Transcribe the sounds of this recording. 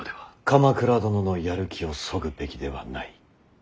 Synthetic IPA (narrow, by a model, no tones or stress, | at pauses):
d̪eβakamakɯ̟ɾad̪o̞no̞no̞jaɾɯ̟kʲio̞so̞ɡɯ̟be̞kʲid̪e̞β̞a̰nai